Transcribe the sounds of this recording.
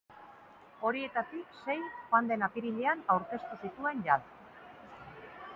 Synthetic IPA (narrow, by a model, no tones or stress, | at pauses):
o̞ɾie̞t̪at̪ikse̞jxand̪e̞napiɾiʎeanawɾke̞st̪usit̪ue̞nʝal